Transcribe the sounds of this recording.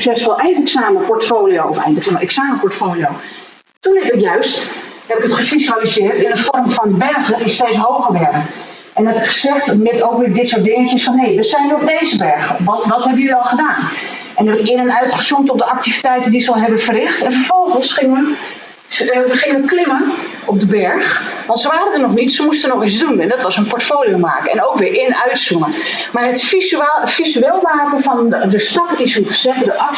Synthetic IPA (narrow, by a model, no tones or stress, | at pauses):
ksɛsʋɔlˠʔɛjntɛksaːməpɔrtfoːlijowɔfɛ̰jntɛksmɛksaːməpɔɹtfoːlijo | tunɛbɪkjœɥsthɛbɪkətχəfisalizɪərtɪndəfɔrmfɔndəbɛrɣdəɪsteːsɦoːɣəʋɛɾə | ʔɛndɛtɪχəsɛχtmɪtoːkʋɪːdɪtsoːt̚dɪŋəkjəsfɔnɦejʋəsɛjnɔp̚deːzəbɛrɣəʋɔntʋɔthɛbəjyɔlˠχədaːn | ɛnɛbəkɪənənœɥtχəsumtɔp̚dəʔak̚tivitɛjtəndisəɔlˠɦɛbənfərɪxtɛnfərfɔlˠχənsxɪŋə | əχɪŋəʋəklɪmən | ɔp̚dəbɛɹxʋɑ̃ntsəʋaːɾədənɔχnitsəmustənɔxizdunɛndɔtʋɑsənpɔɹtfoːlijoma̰ːkənɛ̰nowkʋɪːɹʔɪnœɥtsumən | maːɹətfisfizyeːlˠmaːkənfɔndəstɑpəisutfəsɛtədəʔɑk